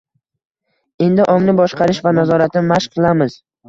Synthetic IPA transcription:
e̞nd̪ɪʔɒŋnɪbɒʃqɑɾɪʃvanazɒɾat̪nɪmaʃqʰɨlˠamɪz̥

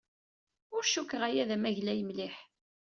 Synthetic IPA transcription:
ʊɾʃukːʁæjæðæmæʝlæjəmlɪħ

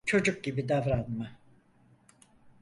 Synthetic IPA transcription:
t͡ʃʰo̞d͡ʒuk̚ɟibid̪avɾanma

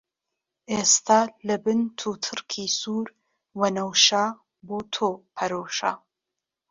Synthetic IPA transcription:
ʔest̪ʰaːlɐbɨnt̪ʰut̪ʰɨrkʰisuːɾ | wɐnɐwʃaː | boːt̪ʰoːpʰɐɾowʃa̰ː

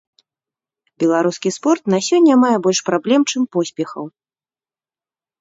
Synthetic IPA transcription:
bʲɛlˠaɾuskʲispɔrt̪nasʲɔnʲːɐmajɛbɔlʲʂpɾablʲɛmt͡ʂɨmpɔsʲpʲɛxɐ̰w

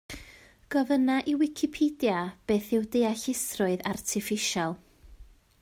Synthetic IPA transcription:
ɡ̥ɔvənaʔiwɪkʰɪpʰidjab̥eːθɪwdejaɬɪsrʊɨðartʰɪfɪʃalˠ

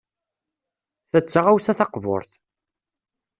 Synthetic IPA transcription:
θæt͡sːaʁawsæθɑqvo̰ɾθ

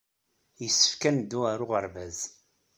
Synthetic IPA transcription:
jəsːə̥fkænd̪uaɾʊʁəɾˤvæz

